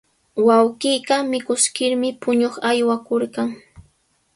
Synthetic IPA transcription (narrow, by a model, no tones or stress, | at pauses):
wawɢiːɢɑmɪkʊskɪɾmɪpʊɲoχajwakoɾɢaŋ